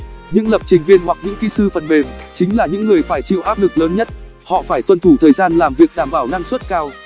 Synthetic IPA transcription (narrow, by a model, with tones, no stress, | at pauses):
ɲɨ̰˧˥ŋlə˨˩p̚t͡ɕï˨˩ŋ̟vi˧ənhwa˨˩k̚ɲɨ̰˧˥ŋki˧sɨ˧fə˨˩nme˨˩nt͡ɕï˨˦ŋ̟laː˨˩ɲɨ̰˧˥ŋːɨ˨˩əjfaː˧˩jt͡ɕḭ˧˨əwʔaː˦˥p̚lɨ˨˩k̚ləː˨˦nɲə˦˥t̚ | hɔ̰˧˨faː˧˩jt̪wə˧nt̪ʰu˧˩t̪ʰəː˨˩jzaː˧nlaː˨˩mvi˨˩ək̚ɗaː˧˩mɓaː˧˩wna˧ŋswə˦˥t̚kaː˧w